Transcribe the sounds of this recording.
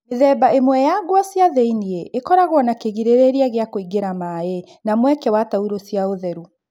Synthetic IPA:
eðɛbaʔemwɛjaɡwasjaðeinieʔekɔɾaɣwɔnakeɣiɾeɾeɾiaɣeakoiɡeɾamaɛ | namwɛkɛwatauɾosijaoðɛɾu

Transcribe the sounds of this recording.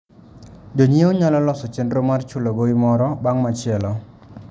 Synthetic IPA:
d͡ʒoɲioɲalɔlɔsɔt͡ʃɛndromart͡ʃʊlɔɡoimɔɾɔbaŋmat͡ʃɪɛlɔ

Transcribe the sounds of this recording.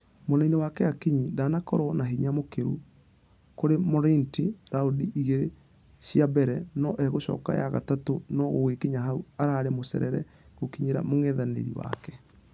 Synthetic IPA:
monɛinewakɛakiɲidanakɔɾɔnaɦiɲamokeɾu | koɾemɔɾentiɾaodiʔiɣeɾe | siabɛɾɛnɔʔɛɣoɕɔ̰ːka̰ja̰ɣa̰tatonɔɣoɣekiɲaɦauaɾaːɾemosɛ̰ɾɛɾɛ | ɣokiɲeɾa̰moŋɛðanḛɾḭwa̰kɛ

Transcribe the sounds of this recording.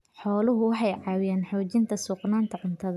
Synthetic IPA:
ħɔːlʊɦʊwɑħɑjʕɑːwɪjɛːnħɔːt͡ʃɪnt̪ʰɐsuːqnaːnt̪ʰɐʕʊnt̪ʰɐðɐ

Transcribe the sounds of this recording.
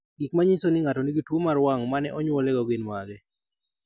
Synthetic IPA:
ɡik̚maɲisonɪŋatonɪɡitwomaɾwaŋmanɛʔɔɲwoleɡɔɡɪnmaɡɛ

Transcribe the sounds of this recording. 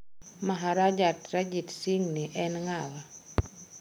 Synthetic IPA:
maɦaɾad͡ʒatɾad͡ʒitsiŋniʔɛnŋawa

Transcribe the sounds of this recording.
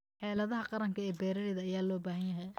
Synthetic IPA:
ħɛːlɐðɐɦɐqɑɾɐŋkʰɐɛːbɛːɾɐɽɪðɐːjaːlɔːbaːɦɐnjɐɦɛj

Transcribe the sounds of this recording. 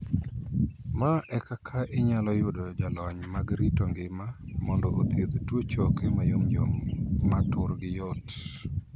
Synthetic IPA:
maʔɛkakʰaʔɪɲalɔjʊdod͡ʒalɔɲmaɡɾitoŋɡɪmamɔndɔʔot̪jed̪twot͡ʃɔkemajomd͡ʒomːatʊɾɡɪjɔt

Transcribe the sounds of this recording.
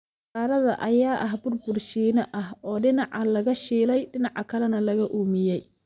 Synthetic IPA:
aːɾɐðɐʔɐjaːʔɐɦbʊrbʊrʃiːnɐʔɐɦɔːɖɪnɑʕɐlɐɣɐʃiːlɛjɖɪnɑʕɑkʰɐlɛnɐlɐɣɐʔuːmɪjɛj

